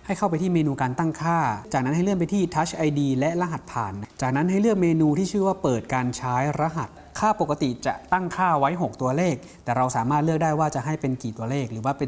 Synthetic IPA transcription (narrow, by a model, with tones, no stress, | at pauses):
ha˥˩jkʰa˥˩wpa˧jt̪ʰiː˥˩meː˧nuː˧kaː˧nt̪a˥˩ŋkʰaː˥˩t͡ɕaː˨˩na˦˥nha˥˩jlɯ˥˩ənpa˧jt̪ʰiː˥˩t̪ʰa˦˥t͡ɕʰʔa˧jdiː˧lɛ˦˥ʔla˧ɦa˨˩t̪̚pʰaː˨˩nː˦˥t͡ɕaː˨˩k̚na˦˥nɦa˥˩jlɯ˥˩ək̚meː˧nuː˧t̪ʰiː˥˩t͡ɕʰɯː˥˩waː˥˩pɤː˨˩t̪̚kaː˧nt͡ɕʰaː˦˥jɾa˦˥ɦa˨˩t̪̚kʰaː˥˩po˨˩kːa˧˥t̪i˨˩t͡ɕa̰˨˩ʔt̪a˥˩ŋkʰaː˥˩wa˦˥jɦo˨˩k̚t̪u˧ɐleː˥˩k̚t̪ɛː˨˩ɾa˧wsaː˩˦maː˥˩lɯ˥˩ək̚daː˥˩jwaː˥˩t͡ɕa˨˩ɦa˥˩jpe˧nkiː˨˩t̪u˧ɐleː˥˩k̚ɾɯː˩˦waː˥˩pe˧